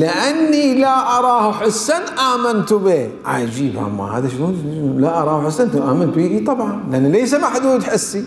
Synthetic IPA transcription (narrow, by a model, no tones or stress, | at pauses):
lɪʔanːilaʔɑɾˤɑːhħɪsːanʔaːmant̪ubeː | ʕa̰d͡ʒiːbʔa̰mːa̰ha̰ːðaʃluːlaʔɑɾˤɑːhħɪsːant̪ʔaːmant̪biːʔit̪ˤɑbʕɑnlɪʔanːileːs̬amaħd̪uːd̪ħɪsːi